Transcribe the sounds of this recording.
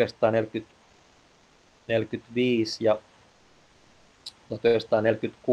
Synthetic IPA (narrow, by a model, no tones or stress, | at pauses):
est̪ˑɑːnelkyt̪ | nelkyt̪ʋiːsjɑ | jɑt̪øst̪ɑːnelkyt̪ku